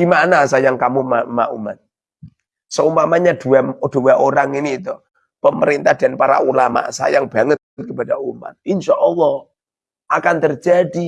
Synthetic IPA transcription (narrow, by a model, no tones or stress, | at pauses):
d̥imanasajaŋkamumama̰ʔṵma̰t̪̚ | səumamaɲad̥uad̥ṳwaʔoɾaŋiniːt̪ɔ | pəməɾint̪ahd̥anpaɾa̰ulama̰ʔsa̰jaŋb̥aŋət̪̚t̪̚kəpadauma̰t̪̚inʃaʔɔlːɔh | akant̪ərd͡ʒadi